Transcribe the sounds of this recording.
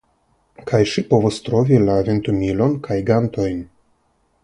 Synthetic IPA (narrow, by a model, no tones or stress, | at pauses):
kʰajʃipo̞vost̪ɾo̞vilaevent̪umilo̞nkʰajɡant̪o̞jn